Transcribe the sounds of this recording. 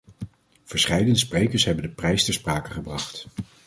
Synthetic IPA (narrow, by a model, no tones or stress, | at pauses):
v̥əɹsχɛjdənsprejkəɹsɦɛbəndəprɛjstɛɹspraːkəχəbrɑχt